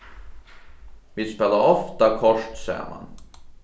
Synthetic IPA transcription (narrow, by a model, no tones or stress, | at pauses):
ʋispeːlːaɾɔft̪akʰɔʂʈsɛ̰jə̰ɾma̰n